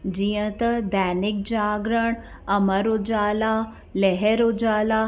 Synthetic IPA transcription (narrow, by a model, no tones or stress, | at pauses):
d͡ʑijə̃t̪ɐd̪ɛːnɪk̚d͡ʑaːɡɾəɽ̃ | ɐməɾod͡ʒaːlaː | leɦeɾod͡ʒaːlaː